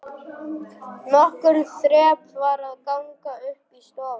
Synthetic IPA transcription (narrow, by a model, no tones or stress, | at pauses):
nɔhkʏɾθɾɛːpvaɾaðkawŋkaʏhpist̪ɔːva